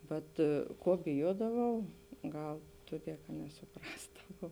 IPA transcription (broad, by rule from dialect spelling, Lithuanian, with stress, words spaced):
ˈʋɐt ˈkoː bʲɪˈjuɔdɐʋɐʊ ˈɡɐlˠ ˈtʊˌdʲiɛ kɐ nʲɛsʊˈprɑːzdɐʋɐʊ